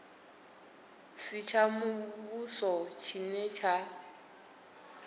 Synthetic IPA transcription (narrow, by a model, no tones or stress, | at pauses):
sɪt͡ʃʰamʊβusɔt͡ʃʰinɛt͡ʃʰa